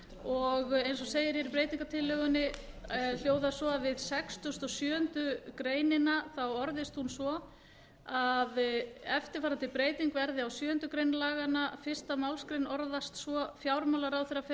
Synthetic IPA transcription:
ɔɣejnsɔseːjɪɾjɛɾipɾeːjt̪iŋkat̪ʰɪlːœɣʏnːɪ | l̥joːwðasɔavɪðsɛkst̪ʏst̪ɔɣsjœːʏnt̪ʏkɾeːjnɪnaθawɔɾðɪst̪hunsvɔ | aðɛft̪ɪɾ̥faːɾant̪ɪpɾeːjt̪iŋkvɛɾðɪawsjœːʏnt̪ʏkɾejnlaːɣanafɪr̥st̪amawlskɾejnɔɾðast̪svɔfjawɾmawlaɾawθerːaf

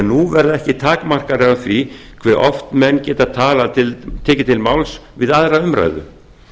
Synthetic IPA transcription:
ɛnːuvɛɾðɛhcɪt̪ʰaːkmar̥kaɾɪaθvi | kʰv̥ɛɾʔɔft̪mɛnːcɛːt̪aðt̪ʰaːlat̪ʰɪlt̪ʰɛːcɪt̪ʰɪlmawlsvɪðaðɾaʏmɾa̰jðʏ̰

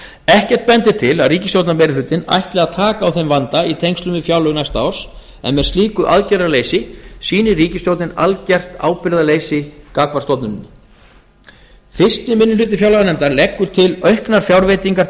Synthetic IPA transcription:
ɛhcɛr̥t̪̚pɛnt̪ɪt̪ʰɪlaðriːcɪst̪jowt̪namɛjɾɪlʏːt̪ɪna̰jht̪lɛːɣat̪ʰaːkaːwθejmvant̪ait̪ʰejŋkst̪lʏmɪfjawlœɣnajst̪a̰w̥s | ɛ̰nmɛð̥st̪liːkʏʔa̰ðcɛɾɾaleːjsɪsiːnɪriːcɪst̪jowt̪nɪna̰lcɛr̥t̪a̰ːwpɪɾðaleːjsɪkaːkvaɾ̥st̪ɔwp̪nʏnɪnɪ | θɪ̥st̪ɪmɪnːʏlʏːt̪ɪfjawlaɣanɛmnt̪aɾlɛkːʏt̪ʰɪlœɥhknaɾ̥fjawɾvejt̪iŋkaɾ

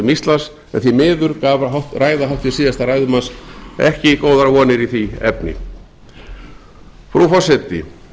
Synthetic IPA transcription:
ʏmist̪las | ɛ̰nθimɪːðʏɾkavɦawt̪raːjðaɦawht̪vɪ̥siːðast̪araːjðʏmansɛhcɪkoːwðaɾvɔːnɪɾiθiɛ̰pnɪ̰ | fɾufɔsɛt̪ɪ

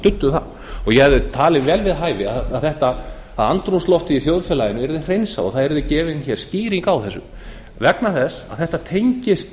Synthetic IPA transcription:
t̪ʏt̪ːʏθa̰ | ɔɣjɛhɛvðʏt̪ʰaːlɪvɛːlvɪðɦaːjvɪaːðθɛht̪a | aðant̪ɾunslɔft̪ɪiθjowðfɛlajɪnʏɛɾðɪr̥ejnsa̰ɔ̰θaðɛɾðʏcɛːvɪnçɛɾ̥sciːɾiŋkawθɛsːʏ̰ | vɛknaθɛsa̰ðθɛht̪at̪ʰejɲcɪst̪

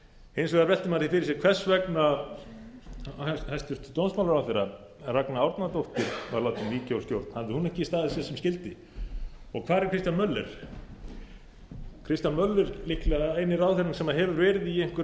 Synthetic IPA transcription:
ejnsɔɣaɾvɛlt̪ɪmaɾθifɪɾɪɾsjɛɾkʰvɛr̥svɛkna | ajst̪ʏɾ̥t̪t̪ownsmawlɾawθeɾa | raknaawɾt̪nat̪owht̪ɪɾ̥vaɾlaːwt̪ʏnviːcawscjowɾt̪n̥haðɪhunɛhcɪist̪aːðɪsɛsɛmscɪlt̪ɪ | ɔɣkʰv̥aːɾɪɾ̥kʰɾɪst̪janmœlːɛɾ̥ | kʰɾɪst̪janmœlːɛɾlɪhklɛejnɪɾaːwθeɾnʏnsɛmaðɦɛvʏɾvɛːɾɪðiejŋ̥kʏɾ

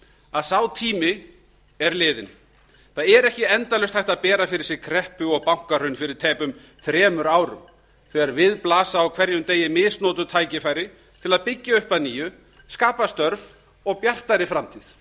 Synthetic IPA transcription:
aðsawt̪ʰiːmɪ | ɛɾlɪːðɪn | θaðɛɾɛhcɪɛnt̪alœst̪hajht̪aðpɛːɾafɪɾɪɾ̥sɛɾkʰɾɛhpʏɔɣpawŋ̥kar̥œnfɪɾɪɾ̥t̪ʰɛːpʏm | θɾɛːmʏɾaːwɾʏ̰m | θɛːɣaɾvɪðplaːsaːwkʰv̥ɛɾjʏmt̪eːjɪmɪːsnɔːt̪ʏt̪ʰaːjcɪfaːjɾɪ | t̪ʰɪlaðpɪcːaʏhpaniːjʏ | skaːpast̪œɾv | ɔɣpjar̥t̪aɾɪfɾamt̪ʰið

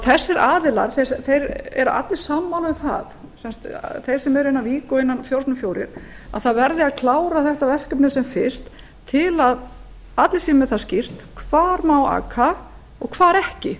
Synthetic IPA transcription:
θɛsːɛɾaːðɪla̰ɾθɛθejɾɛ̰ɾa̰t̪lɪ̥samːawlvʏθa̰ð | sɛnst̪θejɾ̥sɛmɛɾɪnːaviːkʏɪnːanfjowɾt̪nʏmfjoːwɾɪ̰ɾ̥ | a̰ðθaðvɛɾðɪaðkʰlaːwɾaθɛht̪avɛr̥kœpnɪsɛmfɪst̪ʰː | ɪlað | at̪lɪsiːmɛðθaðscɪr̥t̪kʰv̥aːɾmaːwa̰ːkʰa | ɔɣkʰv̥aːɾɛhcɪ

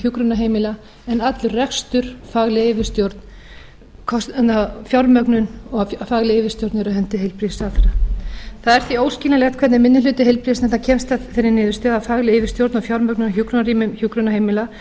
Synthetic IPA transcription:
çukɾʏnaɦeːjmɪla | ɛnat̪lʏrrɛkst̪ʏɾ̥faːɣlɪejvɪ̥st̪jowɾt̪n | kʰɔsnafjawɾmœknʏnɔɣfaɣlɪejvɪst̪jowɾt̪nɛɾaɦɛnt̪ɪɦejlpɾisaθɾaθaðɛɾ̥θvioːwscilalɛt̪kʰvɛt̪nɪmɪnːɪlʏːt̪ɪɦejlpɾisnɛt̪acʰɛmst̪aθɛnːɪnɪːðʏ̥st̪œðafaɣlɪɪvɪ̥st̪jowɾt̪nɔfjawɾmœknʏnaçjukɾʏnaɾiːmʏmçukɾʏnaɦeːjmɪla

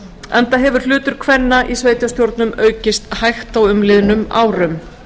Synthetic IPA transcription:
ɛnt̪aɦɛvʏɾ̥l̥ʏːt̪ʏɾ̥kʰvɛnːaʔisveːjt̪jast̪jowɾt̪nʏmœːɥcɪst̪hajxt̪awʏmlɪðnʏma̰ːwɾʏm

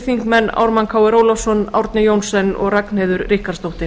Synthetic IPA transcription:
θiŋkmɛnːa̰wɾmankʰaːwɛɾoːwlafsɔna̰wɾt̪nɪjoːwnsɛnɔ̰ɣrakn̥heːðʏɾrɪhkaɾ̥st̪owht̪ɪ

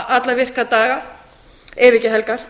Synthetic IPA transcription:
ʔat̪lavɪr̥kat̪aːɣa | ɛːvɪcɪɦɛlkaɾ̥

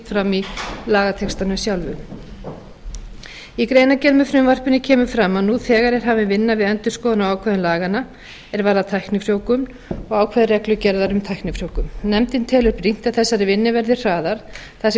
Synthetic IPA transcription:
t̪fɾamilaːɣat̪ʰɛkst̪anʏmsjawlvʏm | ikɾeːjnacɛlmʏfɾʏmvar̥pʏnɪcʰɛːmʏfɾamːaðnuθɛːɣaɾɛɾ̥ɦaːvɪnvɪnːavɪðɛnt̪ʏskoːwðʏnawaːwkʰvɛːðʏnlaːɣana | ɛɾvaɾðat̪ʰajknɪfɾjowkʏm | ɔɣaːwkʰvɛːðɪrɛklʏcɛɾðaɾʏmt̪ʰajhknɪfɾ̥joːwkʏmnɛmt̪ɪnt̪ʰɛːlʏɾpɾin̥t̪aðθɛsːaɾɪvɪnːɪvɛɾðɪ̥r̥aːðaɾ̥ | θasɛ

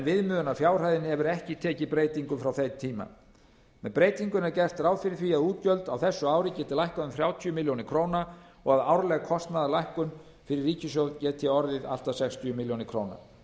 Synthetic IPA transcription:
ɛnvɪðmʏːðʏnafjaːwr̥ajðɪnɪhɛvʏɾɛhcɪt̪ʰɛːcɪpɾeːjt̪iŋkʏmfɾawθejt̪ʰːiːma̰ | mɛðpɾeːjt̪iŋkʏnɛɾcɛr̥t̪raːwðfɪɾɪɾθviaðuːt̪̚cœlt̪awθɛsːʏaːwɾɪcɛːt̪ɪlajhkaðʏmθɾjaːwt̪ʰyʏmɪljownɪkʰɾoːwna | ɔɣaðaːwɾlɛɣkʰɔst̪naðalajhkʏn | fɪɾɪrːiːcɪsjowðcɛːtt̪ʰɪɔɾðɪða̰l̥t̪asɛxst̪ʰijʏmɪljownɪkʰɾowna̰

